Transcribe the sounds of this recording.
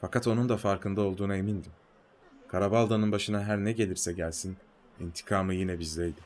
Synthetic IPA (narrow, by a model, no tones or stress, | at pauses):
fakʰat̪o̞nund̪afaɾkʰɯnd̪ao̞lˠd̪uːnae̞mind̪im | kʰaɾabalˠd̪anɯnbaʃɯnaɦæɾnɛɟe̞lʲiɾsɛɟælʲsin | int̪ʰi̥kʰaːmɯjinɛbizd̪ɛjd̪ɪ